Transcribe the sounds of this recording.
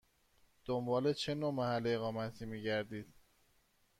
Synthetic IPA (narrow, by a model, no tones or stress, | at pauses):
d̪̥ombɒːle̞t͡ʃʰe̞nomæhælːeeɣɒːmæt̪ʰiːmiːɟæɾd̪iːd̪̥